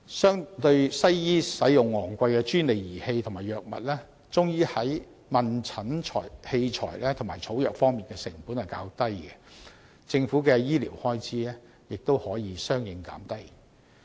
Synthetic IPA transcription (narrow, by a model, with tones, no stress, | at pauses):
sœː˥ŋt̪ɵ˧ɥsɐ˥jjiː˥sɐ˨˥jjʊ˨˩ŋːɔː˨˩ŋkʷa˧jkɛː˧t͡ʃyː˥nle˨˩jjiː˨˩he˧jt̪ʰʊ˨˩ŋmaː˨˩jœː˨k̚mɐ̰˨t̚lɛː˥ | t͡sʊ˥ŋjiː˥hɐ˨˥j | mɐ˨nt͡sʰɐ˨˥nt͡ʃʰɔ̰ː˨˩jhe˧jt͡ʃʰɔ̰ː˨˩jlɛː˥t̪ʰŋmaː˨˩t͡sʰo˨˥wjœː˨k̚fɔː˥ŋmiː˨nkɛː˧sɪ˨˩ŋpuː˨˥nhɐ˨jka̰ː˧wt̪ɐ˥jɡɛ˧ | t͡sɪ˧ŋfu˨˥kɛː˧jiː˥liː˨˩whɔː˥jt͡sʰiː˨˥lɛː˥ | jɪ˨k̚t̪o˥whɔː˨˥jiː˨˧sœː˥ŋjɪ˨˧ŋka̰ː˨˥mt̪ɐ˥j